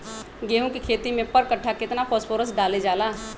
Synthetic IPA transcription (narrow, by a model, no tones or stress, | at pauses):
ɡeːɦũkikʰeːt̪imẽpəɾkəʈʰːakɪt̪napʰoːspʰoːɾəsɖaːled͡ʒaːlaː